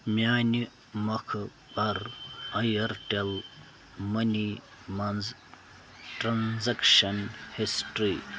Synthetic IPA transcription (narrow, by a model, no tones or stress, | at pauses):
mjaːni | mɐkʰ | bɐɾɐjɐɾʈel | mɐni | mɐnz | ʈɾɐnzɐkʃɐnhisʈɾi